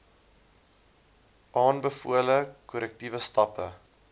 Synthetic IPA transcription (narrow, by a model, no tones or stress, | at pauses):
ʔɑːnbəfuələkɔɾɛk̚tivəstɐpə̰